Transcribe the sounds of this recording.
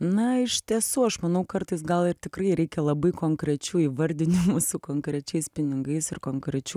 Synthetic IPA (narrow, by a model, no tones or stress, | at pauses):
nɐɪʃtt̪ʲiɛsuːɐʃmɐnɐʊkɐrt̪ɐɪsɡɐlˠɪrt̪ʲɪkrɐɪɾʲɛɪkʲɛlˠɐbɐɪkoːŋkɾʲɛt͡ʃʲuːiːʋɐɾʲd̪ʲɪnʲtʲɪmuːsuːkoːŋkɾʲɛt͡ʃʲɛɪspʲɪnʲɪŋɡɐɪsɪrkoːŋkɾʲɛt͡ʃʲuː